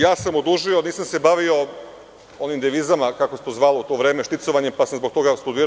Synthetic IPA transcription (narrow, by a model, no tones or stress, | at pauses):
jaːsamod̪uʒio̞niːsamse̞baʋio̞ | o̞nimd̪eʋiːzamakakost̪ozʋaːliut̪o̞ːʋɾe̞ːmeʃt̪it̪so̞ʋaɲempasamzbo̞k̚t̪o̞ɡast̪ud̪iːɾ